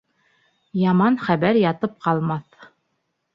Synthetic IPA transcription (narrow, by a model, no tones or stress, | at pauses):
jɑmɑnχæβæɾjɑt̪ɤp̚qɑlˠmɑθ